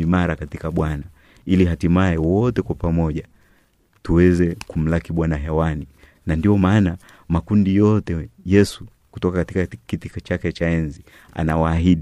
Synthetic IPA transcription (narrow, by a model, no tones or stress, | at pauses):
imaɾakatikaɓwana | iliɦatimaɛwɔtɛkwapamɔʄa | tuwɛzɛkum̩lakiɓwanaɦɛwani | nandiɔmaːna | makundijɔtɛjɛsu̥ | ku̥tɔkakatikakitikat͡ʃakɛt͡ʃaɛnzi | a̰nawaːɦiɗi